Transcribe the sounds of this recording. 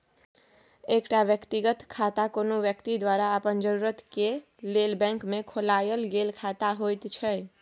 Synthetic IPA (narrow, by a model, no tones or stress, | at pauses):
ekʈaʋjəkt̪iɡət̪kʰat̪akonoʋjəkt̪id̪waɾaəpənd͡ʒəɾuɾət̪ke | lelbɛ̃ŋkmekʰolajəlɡelkʰat̪aɦojt̪t͡ʃʰəj